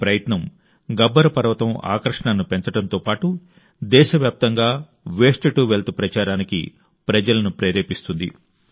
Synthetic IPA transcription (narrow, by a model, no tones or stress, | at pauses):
pɾɐjɐt̪nɐm | ɡɐbːɐɾɐpɐɾʋɐt̪ɐma̰ːkɾɐʂɐɳaːnːupe̞nt͡ʃɐɽɐnt̪o̞ːpaːʈu | d̪ɛːʃɐʋjaːp̚t̪ɐŋɡaː | ʋeːʂʈɐʈuʋelt̪upɾɐt͡ʃaːɾaːnikḭ | pɾɐd͡ʒɐlɐnupɾeːɾeːpist̪und̪ḭ